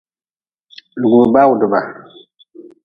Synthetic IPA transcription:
du˨ɡu˨ba˦wu˨də˨ba˨

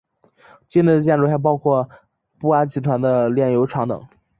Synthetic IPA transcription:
t͡ɕi˥˧nli˥˩˧t͡ɕjɛ˥˧nɻxʰa˥˧ɪp̬ɑ˥ʊkʰwɔ˥˩ | pu˥˩a˥t͡ɕʰi˧˥t̪ʰwa˧˥nd̪ə˧ljɛ˥˩njo˧˥ʊʈ͡ʂʰɑ˧˥ŋt̪ɤ̰˨˩˦ŋ

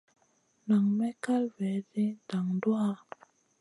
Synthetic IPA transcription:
na˨ŋmɛ˦ka˦lvɛ˨˦zi˦da˨ŋdu˦a˦

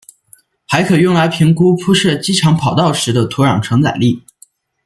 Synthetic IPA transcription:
xa˧˥ɪkʰɤ˨˩jʊ˥˩ŋla˧˥ɪpʰi˧˥ŋku˥pʰu˥ʂɤ˥˩t͡ɕi˥ʈ͡ʂʰɑ˧˥ŋpʰɑ˨˩ʊt̪ɑ˥˩ʊʂɻ̩˧˥d̪ə˧t̪ʰu˧˥ɻɑ˨˩ŋʈ͡ʂʰɤ˧˥ŋt͡sa̰˨˩ɪli˥˩

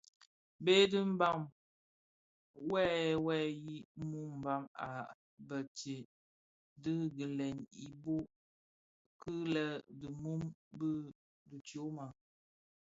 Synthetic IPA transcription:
be˦dɨ˦m̩˦ba˦˨m | wɛ˦˨wɛ˦ji˦mu˦m̩˨ba˦ŋa̰˨ | bə˨t͡ʃe˨ | dɨ˦ɡə˨lɛ˨ni˨bo˦ | kɨ˦lə˦də˨mu˦mbɨ˦ | du˨tjo˨˦ma˨

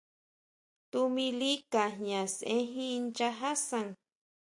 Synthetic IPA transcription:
t̪u˧mĩ˧li˦ka˨ɦɲã˨sẽ˦ɦĩ˦˧nt͡ʃa˧ɦa˦sa˨ŋ

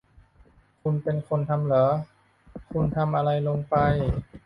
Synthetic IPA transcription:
kʰu˧npe˧nkʰo˧nt̪ʰa˧mlɤ˩˦ | kʰu˧nt̪ʰa˧mʔa˧ɾa˧jlo˧ŋpa˧j

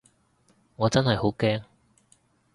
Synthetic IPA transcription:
ŋɔː˨˧t͡sɐ˥nhɐ˨jho˨˥wkɛː˥ŋ

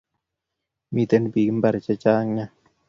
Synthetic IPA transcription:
mi˦t̪e˦n˦bi˨ɡm˦ba˨ɾi˨t͡ʃɛ˦t͡ʃaː˦ŋa˦

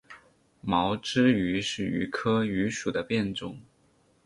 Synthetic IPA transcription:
mɑ˧˥ʊʈ͡ʂɻ̩˥y˧˥ʂɻ̩˥˩y̰˧˥kʰɤ˥y˧˥ʂu˨˩d̪ə˦pjɛ˥˧nʈ͡ʂʊ˥˩ŋ

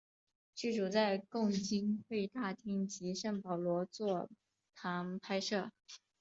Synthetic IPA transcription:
t͡ɕy˥˩ʈ͡ʂu˨˩t͡sa˥˧ɪkʊ˥˩ŋt͡ɕi˥nxwe˥˧ɪt̪a˥˩t̪ʰi˥ŋt͡ɕi˧˥ʂə˥˩ŋpɑ˨˩ʊlwɔ˧˥t͡swɔ˥˩ | t̪ʰa˧˥ŋpʰa˥ɪʂɤ˥˩

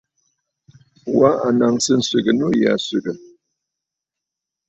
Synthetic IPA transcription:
wa˦a˨na˨ŋsɨ˦n̩˦si˨ɡə˨nu˦˨ja̰˨sʉ˨ɡə˨

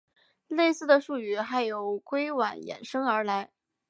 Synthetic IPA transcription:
le˥˧ɪsɹ̩˥˩d̪ə˩ʂu˥˩y˧˥xa˧˥ɪjo˨˧˥ʊkwe˥ɪwa˨˩njɛ̰˨˩nʂɤ˥ŋə˞˧˥la˧˥ɪ

